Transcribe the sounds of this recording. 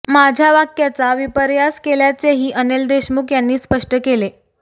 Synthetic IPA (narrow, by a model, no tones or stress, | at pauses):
mad͡ʑʱjaʋakjat͡saʋipəɾjaskeljat͡seɦiːʔəneld̪eɕmukjanːiːspəʂʈəkele